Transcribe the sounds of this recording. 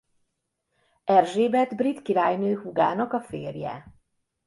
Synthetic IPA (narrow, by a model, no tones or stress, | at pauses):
ɛrʒeːbɛd̪brit̪kiɾaːjnøːhuɡaːnɒkɒfḛːrjɛ̰